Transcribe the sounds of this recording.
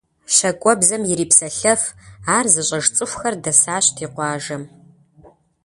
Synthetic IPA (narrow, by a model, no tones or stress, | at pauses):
ɕɐkʷʼɔbzɐmjɪɾiːpsɐɬɐfaːrzɨɕʼɐʒt͡sʼɨxʷxɐrdɐsaːɕtʰiːqʷɑːʒɐm